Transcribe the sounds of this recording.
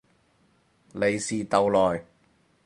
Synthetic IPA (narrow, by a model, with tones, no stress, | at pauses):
le˨jsiː˨t̪ɐ˨wlɔː˨˩j